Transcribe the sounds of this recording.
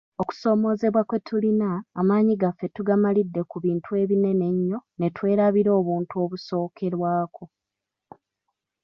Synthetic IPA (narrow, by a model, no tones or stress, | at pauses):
o̞ku̥so̞ːmo̞ːze̞βwakwe̞tʰulinaːmaːɲiɡafːe̞tuɡamalidːe̞kuβiːntʰue̞ːβine̞ne̞ɲːo̞ne̞twe̞ːɾaβiɾo̞ːβuːntuo̞βuso̞ːkʰe̞ɾwaːkʰo̞